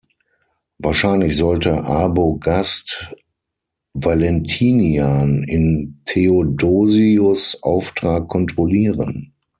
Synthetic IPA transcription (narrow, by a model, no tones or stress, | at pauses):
vaːɐʃaɪnlɪçz̥ɔltəʔaːboɡast | valɛntʰiːnianɪntʰeodoːziʊsʔa̰ʊftʁ̥aːkʰːɔntʁ̥oliːʁə̰n